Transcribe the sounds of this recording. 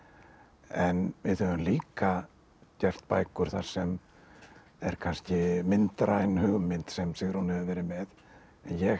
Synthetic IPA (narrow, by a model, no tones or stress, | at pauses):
ɛnvɪðhœvʏmliːka | cɛft̪pa̰ːjkʏɾ̥θa̰ɾ̥sɛm | ɛɾ̥kʰanscɪmɪnt̪ɾʔaːjnhʏɣmɪnt̪sɛmsɪɣɾhunhɛvʏvɛːɾɪmɛð | ɛnjɛɣ